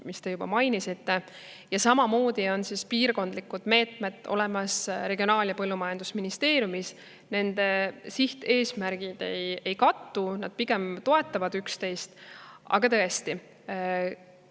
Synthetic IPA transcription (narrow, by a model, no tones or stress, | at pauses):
mist̪e̞jub̥ɑ̰mɑjnisit̪ːe̞ | jɑsɑmɑmo̞ːd̪̥io̞nsispiːrko̞nd̪likːˑud̪̥me̞ːt̪ˑmed̪ˑo̞̰lɛ̞mɑsɾe̞ɡio̞nɑːljɑpɤlːumɑjɑnd̪̥usminist̪e̞ːɾjumis | ne̞nd̪̥e̞siht̪e̞ːsmærɡ̥id̪̥e̞je̞jkɑt̪ːunɑd̪̥̚piɡ̥e̞mt̪o̞e̞t̪ːˑɑvɑd̪̥ykst̪e̞jst̪ɑ̰ɡ̥ɑt̪ɤe̞st̪i